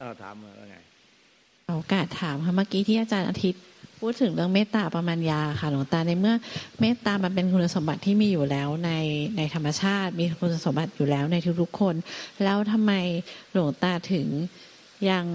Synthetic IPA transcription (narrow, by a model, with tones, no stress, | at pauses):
a˧˩ʔo˧˩kaː˨˩t̪ʰːaː˩˦mkʰa˦˥˩maː˥˩kiː˧t̪ʰiː˥˩ʔaː˧t͡ɕaː˧nʔa̰ː˧t̪ʰi˦˥t̪̚ | pʰuː˥˩t̪ʰːɯ˩˦ŋɾɯ˥˩əŋmeː˥˩t̪ːaː˧pɾa˧maː˧njaː˧a˧˩kʰa˥˩lu˨˩˦ŋt̪aː˧na˧jmɯ˥˩ɐmeː˥˩t̪ːaː˧ma˧np̬e˧nkʰu˧nːa˧so˩˦mba˨˩t̪ʰːiː˥˩miː˧juː˨˩lɛː˦˥wna˧jna˧jt̪ʰa˧mːa˧t͡ɕʰaː˥˩t̪̚miː˧kʰu˧na˧so˩˦mba˨˩t̪̚juː˨˩lɛː˦˥wna˧jt̪ʰu˦˥k̚t̪ʰu˦˥kʰːo˧nlɛː˦˥wt̪ʰa˧mːa˧jlu˨˩˦ŋt̪aː˧t̪ʰɯ˩˦ŋ | ja˧ŋ